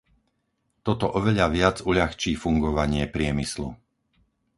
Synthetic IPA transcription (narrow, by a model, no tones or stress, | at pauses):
t̪ɔt̪ɔʔɔʋɛʎaʋɪad͡zuʎaxt͡ʃiːfuŋɡɔʋaɲɪɛpɾɪɛmislṵ